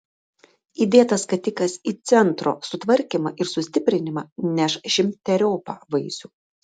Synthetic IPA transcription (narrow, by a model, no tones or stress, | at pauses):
iːd̪ʲeːt̪ɐskɐt̪ʲɪkɐsiːt̪sʲɛnt̪ɾo̰ːsʊt̪ʋɐɾʲkʲimɐʔɪɾsʊsʲt̪ʲɪpʲɾʲɪnʲɪmɐnʲɛʃʒʲɪmʲt̪ʲɛɾʲoːpɑ̰ːʋɐɪsʲuː